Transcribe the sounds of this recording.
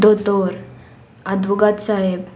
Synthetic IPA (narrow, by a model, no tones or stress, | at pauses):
d̪ot̪oɾ | ad̪ʋuɡat̪saɦeb